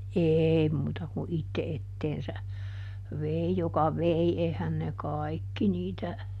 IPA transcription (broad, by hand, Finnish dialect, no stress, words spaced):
eːi muːtɑ ku itːe etːeːnsæ ʋei jokɑ ʋei eihæn ne kɑikːi niːtæ